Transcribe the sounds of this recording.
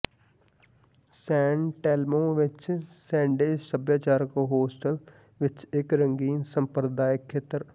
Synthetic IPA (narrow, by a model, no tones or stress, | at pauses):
sɛ̃ːɳʈɛːlmõːʋɪt͡ʃsɛ̃ːɳɖeːd͡ʒsəbjaːt͡ʃaːɾəkɦoːsʈəl | ʋɪt͡ʃɪkɾəŋɡiːnsəmpɾd̪aːɪkʰːeːt̪əɾ